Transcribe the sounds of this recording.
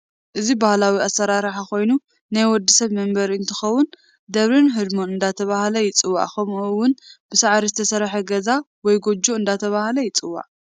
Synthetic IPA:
ʔɨzibahlawiasːɐɾaɾħako̞jnu | najwɔd̪ːɨsɐβmɐmbɐɾiɨnt̪ʰɨxɐwːʊn | d̪ɐβɾinɦɨd̪monɨnd̪at̪ʰɐβahlɐjɪt͡sʼɨwːa̰ʕkʰɐmʔuwːʊnb̥ɨsaʕɾizɨt̪ʰɐsɐɾħɐɡɐza | wɔjɡod͡ʒoɨnd̪at̪ʰɐβahlɐjɪt͡sʼɨwːa̰ʕ

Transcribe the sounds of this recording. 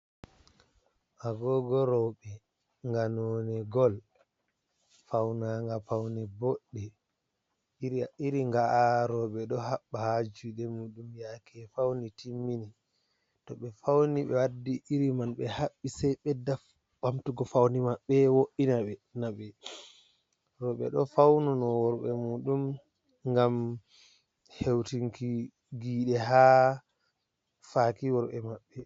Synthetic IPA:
ʔaɡɔɡɔɾɔɓɛ | ŋɡanɔːnɛɡɔl | fawnaŋɡafawnɛboɗːɛ | iɾiŋɡaaɾɔɓɛɗɔhaɓːahad͡ʒuɗɛmuɗumjakʰɛfawnitimːini | tɔɓɛfawniɓɛwadːiʔiɾimanɓɛhaɓːisɛjɓɛdaf | b̥amtuɡɔfawnimaɓːɛwoʔinaɓɛnaɓɛ | ɾɔɓɛ̰ɗɔfawnunɔwɔɾɓɛmuɗum | ŋɡam | hewtiŋki | ɡiːɗɛɦa | fakiwɔɾɓɛmaɓːɛ

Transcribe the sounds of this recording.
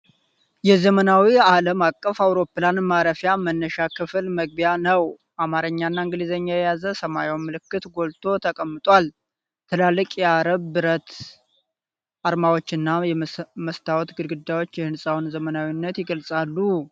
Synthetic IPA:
jɛzəmənawialəmakʼːəfawɾo̞planmaɾəfjamənːəʃakʰɨflməɡ̚bjanəw | ʔamaɾəɲːanːaɨŋɡɨlizeɲːajɛjazəsəmajowmɨlɨkːɨt̪ɡo̞lt̪ʰo̞t̪ʰəkʼəmːɨt̪ʼwal | t̪ʰɨlalːɨkʼjɛaɾəβːɨɾət̪ | ʔaɾmawo̞t͡ʃːɨnːajɛməst̪ʰawɔt̪ɡɨɾɡɨd̪ːawo̞t͡ʃːjɛhɨnsʼawnzəmənawinːət̪jɪɡəlsʼalːu

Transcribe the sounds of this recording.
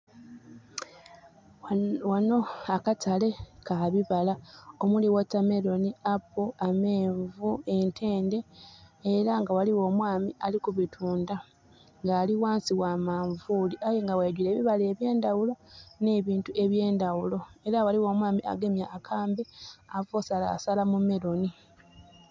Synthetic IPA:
wano̞akatʰale̞kaβiβalaomuliwatame̞ɾo̞niapːoame̞ːɱvuentʰe̞ːnde̞ː | ɾaŋɡawaliwo̞ːmwaːmialikuβitʰuːnda | ŋɡaːliwaːnsiwaːmaːɱvuːliʔajeŋɡaweːɟile̞ːβiβale̞ːβje̞ːndawulo̞ne̞ːβiːntuʔe̞βje̞ːndawulo̞e̞ɾawaliwo̞ːmwaːmiʔa̰ɡe̞mjaʔːkʰaːmbe̞avosala̰ːsalamume̞ɾo̞ni

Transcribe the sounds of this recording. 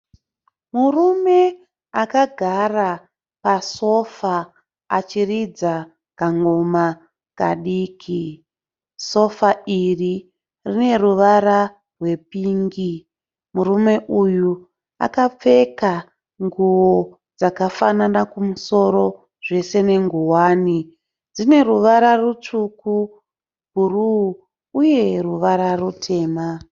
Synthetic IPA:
murume̞ | akaɡʱara | paso̞fa | a̰t͡ʃirid͡za | kaŋɡoma | ka̰ɗiːkʰi | so̞fairi | rine̞ruʋaɾa | rwe̞piːŋɡi | murume̞ʔuju | a̰kap͡fe̞ka | ŋɡuwo | d͡zakafananakumuso̞ɾo̞ | ʐe̞se̞ne̞ŋɡuwaːni | d͡zine̞ruʋaɾarut͡ʂuku | ɡʱuruː | je̞ruʋaɾarutʰe̞ːma

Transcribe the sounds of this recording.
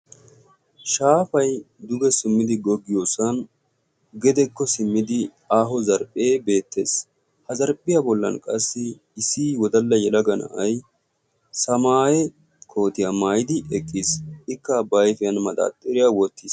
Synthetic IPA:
ʃaːfɐj | d̪ʊɡɛsɪmːɪd̪ɪɡɔɡːɪjoːsɐn | ɡɛd̪ɛkːɔsɪmːɪd̪ɪ | aːɦɔzɐɾpʼːeːbe̞ːt̪ːe̞̰ːs | hɐzɐɾpʼːɪjɐbɔlːɐ̰nkʼɐsːɪː | siːwɔd̪ɐlːɐjɛlɐɡɐnɐ̰ʔɐj | sɐmaːjɛ | kʰo̞ːt̪ɪjɐmaːjɪd̪ɪʔɛkʼːisɪkːɐbɐjfɪjɐnmɐd̪a̰ːt̪ʼːɪɾɪjawɔt̪ʰːiːs

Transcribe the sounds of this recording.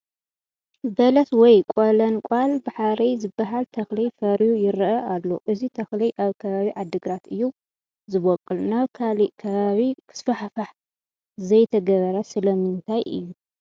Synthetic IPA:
bɐlɐt̪wɔjkʷʼolɐnkʷʼalbaħaɾijzɨbːaɦalt̪ʰɐxlijfɐɾjujɪɾʔɐʔalːo̞̰ʔɨzit̪ʰɐxlijʔaβkʰɐβaβiʕad̪ːɨɡɾat̪ɨjːu | zɨβokʼːɨlnaβkʰaliʔkʰɐβaβikʰɨ̥sfɐħfaħ | zɐjt̪ʰɐɡɐβɐɾɐsɨlɐmɨnt̪ʰajʔɨ̰jːu

